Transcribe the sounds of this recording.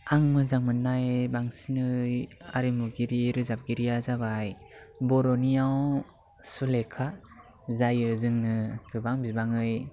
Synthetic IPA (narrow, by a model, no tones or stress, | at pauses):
aŋmɯzaŋmɯnːajbaŋsinɯja̰ɾimuɡiɾiɾɯzap̚ɡiɾijazabajbɔɾɔnijaw | sulekʰa | zajɯzɯŋnɯɡɯbaŋbibaŋɯj